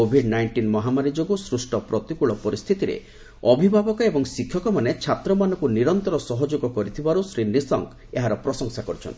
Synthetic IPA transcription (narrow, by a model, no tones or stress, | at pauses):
obʱiɖnajɳʈinmɔɦamaɾid͡ʒoɡusɾusʈɔpɾɔt̪ikuɭɔpɔɾist̪ʰit̪iɾḛ | ɔbʱibʱabɔkɔebɔŋsikʰːjɔkɔmanet͡ʃʰat̪ɾɔmanɔkuniɾɔnt̪ɔɾɔsɔɦɔd͡ʒoɡɔkɔɾit̪ʰibaɾusɾinisɔŋk | eɦaɾɔpɾɔsɔŋsakɔɾit͡ʃʰɔnt̪i